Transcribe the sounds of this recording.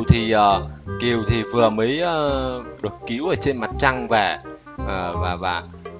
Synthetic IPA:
wt̪ʰi˨˩ʔəː˨˩ki˨˩əwt̪ʰi˨˩vɨ˨˩əməː˨˦jʔəː˧˩ɗɨ˨˩ək̚ki˨˦wʔəː˧˩t͡ɕe˧nma˨˩t̚t͡ɕa˧ŋvɛ̰˧˩ | ʔəː˨˩vaː˨˩vaː˨˩

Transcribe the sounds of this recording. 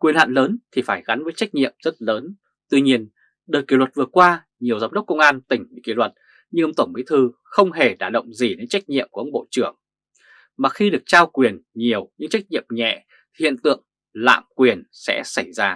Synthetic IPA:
kwənha̰ː˧˨nləː˨˦nt̪ʰi˨˩faː˧˩jɣa˨˦nvəː˨˦jt͡ɕa˦˥jk̚ɲḭ˧˨əmzə˦˥t̚ləː˨˦n | t̪wi˧ɲi˧ən | ɗəː˨˩jki˧˩lwə˨˩t̚vɨ˨˩əkwaː˧ | ɲi˨˩əwzaː˨˦ŋ͡mɗə˦˥k͡p̚kə˧wŋ͡mʔaː˧nt̪ï˧˩ŋ̟ɲɨ̰˧˥kḭ˧˩lwə˨˩t̚ | ɲɨ˧ŋʔə˧ŋ͡mt̪ə˧˩ŋ͡mɓḭ˧˥t̪ʰɨ˧ | xə˧wŋ͡mɦe˨˩ɗaː˧˩ɗə̰˧˨wŋ͡mzi˨˩ne˧˥nt͡ɕa˦˥k̟̚ɲḭ˧˨əmku˧˩˨ə˧˦ŋ͡m̚ɓo̰˧˨t͡ɕɨ˧˩əŋ | maː˨˩xi˧ɗɨ˨˩ək̚t͡ɕaː˧wkwi˨˩ənɲi˨˩əwɲɨ̰˧˥ŋt͡ɕa˦˥k̚ɲḭ˧˨əmɲɛ̰˧˨ | t̪ʰi˨˩hḭ˧˨ənt̪ɨ̰˧˨əŋ | la̰ː˧˨mkwi˨˩ənsɛ̰˧˥sa˧˩jzaː˧

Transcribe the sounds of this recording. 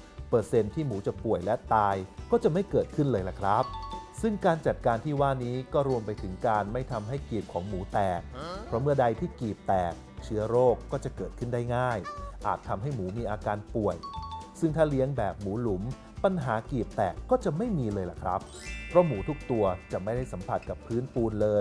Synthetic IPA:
pɤː˨˩t̪̚se˧nt̪ʰiː˥˩muː˩˦t͡ɕa˨˩pu˨˩əjlɛ˦˥t̪aː˧jkɔː˥˩t͡ɕa˨˩ma˥˩jkɤː˨˩t̪̚kʰɯ˥˩nlɤː˧jla˨˩kʰɾa˦˥p̚sɯ˥˩ŋkaː˧nt͡ɕa˨˩t̪̚kaː˧nt̪ʰiː˥˩waː˥˩niː˦˥kɔː˥˩ɾu˧əmpa˧jt̪ʰɯ˩˦ŋkaː˧nma˥˩jt̪ʰa˧mɦa˥˩jkiː˨˩p̚kʰɔː˩˦ŋmuː˩˦t̪ɛː˨˩k̚pʰɾɔ˦˥mɯ˥˩ɐda˧jt̪ʰiː˥˩kiː˨˩p̚t̪ɛː˨˩k̚ | t͡ɕʰɯ˦˥ɐɾoː˥˩kːɔː˥˩t͡ɕa˨˩kɤː˨˩t̪̚kʰɯ˥˩ndaː˥˩jŋaː˥˩jʔaː˨˩t̪ʰːa˧mɦa˥˩jmuː˩˦miː˧ʔaː˧kaː˧npu˨˩əjsɯ˥˩ŋt̪ʰaː˥˩li˦˥əŋbɛː˨˩p̚muː˩˦lu˩˦m | pa˧nɦaː˩˦kiː˨˩p̚t̪ɛː˨˩kːɔː˥˩t͡ɕa˨˩ʔma˥˩jmiː˧lɤː˧jla˨˩kʰɾa̰˦˥p̚ | pʰːɾɔ˦˥muː˩˦t̪ʰu˦˥k̚t̪u˧ɐt͡ɕa˨˩ma˥˩jda˥˩jsa˩˦mpʰa˨˩t̪̚ka˨˩pʰːɯː˦˥npuː˧nlɤː˧j

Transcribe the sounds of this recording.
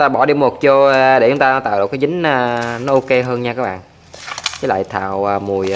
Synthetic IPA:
t̪aː˧ɓɔ˧˩ɗi˧mo˨˩t̚t͡ɕo˧ɗe˧˩t͡ɕʊ˦ŋ͡mt̪aː˧nɔ˨˦t̪a̰ː˧˨wɗk̚ːa˨˦jzï˨˦ŋ̟aː˧nɔ˨˦ʔo˧ke˧ɦəː˧nɲaː˧kaː˨˦˥ɓa̰ː˧˨n | t͡ɕə˨˦la̰ː˧˨jt̪ʰa̰ː˧˨wəː˨˧˩mu˨˩əj

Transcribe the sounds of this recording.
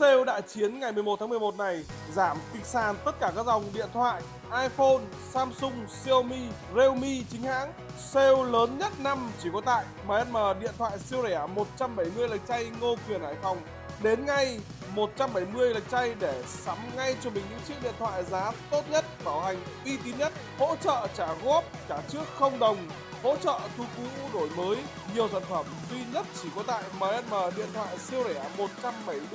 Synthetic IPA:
se˧wɗa̰ː˧˨jt͡ɕi˨˦ənŋa˨˩jmɨ˨əmo˨˩t̪ʰːaː˨˦m˨˩əmo˨˩t̚na˨˩j | zaː˧˩mk̪i˨˩ŋ̟saː˨˩nt̪ə˦˥t̚kaː˧˩kaː˦˥k̚za˨˩wŋ͡mɗḭ˧˨ənt̪ʰwa̰ː˧˨j | ʔaː˧jfo˧n | saː˧msʊ˧ŋ͡msi˧ə˧wmi˧ | ze˧wmi˧t͡ɕï˨˦ŋ̟ha̰ː˧˥ŋ | se˧wləː˨˦nɲə˦˥t̚na˧mt͡ɕi˧˩kɔ˨˦t̪a̰ː˧˨jmaː˨˩ʔə˧nməː˨˩ɗḭ˧ənt̪ʰwa̰ː˧˨jsi˧ə˧wza˧˩ʔa˨˩mo˨˩t̚t͡ɕa˧mɓa˧˩jmɨ˧əjlə˨˩k̟̚t͡ɕa˧jŋo˧kwi˨˩ənhaː˧˩jfa˨˩wŋ͡m | ɗe˨˦nŋa˧j | mo˨˩t̚t͡ɕa˧mɓa˧˩jmɨ˧əjlə˨˩jk̟̚t͡ɕa˧jɗe˧˩sa˨˦mŋa˧jt͡ɕɔ˧mï˨˩ŋ̟ɲɨ̰˧˥ŋt͡ɕḭ˦˥k̚ɗḭ˧˨ənt̪ʰwa̰ː˧˨jzaː˨˦t̪o˦˥t̚ɲə˦˥t̚ɓaː˧˩wha˨˩jŋ̟ʔi˧t̪̬i˨˦ɲə˦˥t̚ho̰˧˥t͡ɕə̰ː˧˨t͡ɕaː˧˩ɣo˦˥əp̚kaː˧˩t͡ɕɨ˦˥ək̚xə˧wŋ͡mɗə˨˩wŋ͡m | ho̰˧˥t͡ɕə̰ː˧˨t̪ʰu˧ku˨˦ɗo˧˩jməː˨˦j | ɲi˨˩əwza̰˧˨nfə˧˩mzwi˧ɲə˦˥t̚t͡ɕi˧˩kɔ˨˦t̪a̰ː˧˨jmaː˨˩ʔɛ˧nməː˨˩ɗḭ˧˨ənt̪ʰwa̰ː˧˨jsi˧əwzɛ˧˩˨mo˨˩t̚t͡ɕa˧mɓə˧˩j

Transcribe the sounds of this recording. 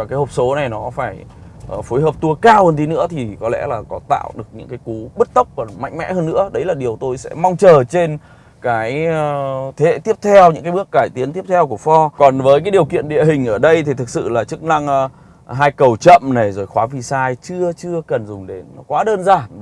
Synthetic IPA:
aː˨˩kaː˨˦jho˨˩p̚so˨˦na˨˩jnɔ˨˦faː˧˩jfoː˨˦jɦəː˨˩p̚t̪u˧əkaː˧whəː˧nt̪ʰi˨˦nɨ̰˧˥ət̪ʰi˨˩kɔ˨˦lɛ̰˧˥laː˨˩kɔ˨˦t̪a̰ː˧˨wɗɨ˨˩ək̚ɲɨ̰˧˥ŋkaː˨˦jku˨˦ɓɨ˦˥t̚t̪ə˦˥wk͡p̚va˨˩nma̰˧˨jŋ̟mɛ̰˧˥həː˧nːɨ̰˧˥əɗə˨˦jlaː˨˩ɗi˨˩əwt̪o˧jsɛ̰˧˥ma˧wŋ͡mt͡ɕəː˨˩t͡ɕe˧n | kaː˨˦j | t̪ʰe˨˦hḛ˧˨t̪i˦˥əp̚t̪ʰɛ˧wɲɨ̰˧˥ŋaː˨˦jɓɨ˦˥ək̚ːaː˧˩jt̪i˨˦ənt̪i˦˥əp̚t̪ʰɛ˧wku˧˩əfɔ˧kɔ˨˩nvəː˨˦jk̬aː˨˦jɗi˨˩əwkḭ˧˨ənɗḭ˧əɦï˨˩ŋ̟ʔəː˧˩ɗə˧jt̪ʰi˨˩t̪ʰɨ˨˩k̚sɨ̰˧˨laː˨˩t͡ɕɨ˦˥k̚na˧ŋ | ɦaː˧jkə˨˩wt͡ɕə̰˧˨mna˨˩jzo˨˩jxwaː˨˦vi˧˩saː˧jt͡ɕɨ˧ət͡ɕɨ˧əkə˨˩nzʊ˨˩ŋ͡mɗe˨˦n˦kwaː˨˦ɗəː˧nzaː˧˩n

